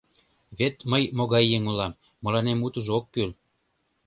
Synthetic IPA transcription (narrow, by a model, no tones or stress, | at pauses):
βet̪məjmoɣɑjːeŋulɑmː | ɤ̆lɑnemut̪ə̆ʒokːyl